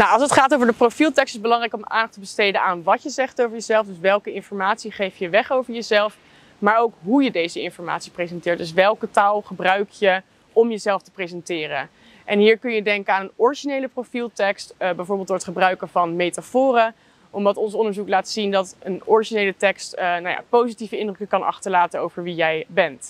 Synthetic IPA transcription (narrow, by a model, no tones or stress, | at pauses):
nawɑlˠsətχaːtowvəɹdəprofilˠtɛkstɪzbəlɑŋrɛjkɔma̰ːndɑχtəbəstejdəaːnʋɑjəzɛχtowvəɹjəzɛlˠfdɵsʋɛlˠkəɪnfɔɹmaːtsiχejfjəʋɛχowvəɹjəzɛlˠf | maːɹowkɦujədejzəɪnfɔɹma̰ːtsi̥prezɛntɪːɹt̚d̥ɵs̬ʋɛlˠkətaːlˠχəbrœɥkjə | ɔmjəzɛlˠftə̥prezɛntɪːrə̰ | ʔɛnɦiːɹkɵnjədɛŋkəaːnənɔɹiʒinejləprofilˠtɛkstbɛjvʊːɹbɪlˠtd̥ʊːɹətχəbrœɥkəvɑnmejtafʊːrə | ʔɔmdɑtɔnsɔndəɹzuklaːtsindɑtənɔɹiʒinejlətɛkstnawja̰powzitivəɪndrɵkəkɑnʔɑ̰χtəɹlaːtənowvəɹʋijɛjbɛnt